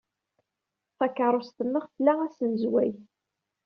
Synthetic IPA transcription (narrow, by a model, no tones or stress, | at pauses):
θɑkːəɾˤost̪ənːəʁfəlːææsənzwæj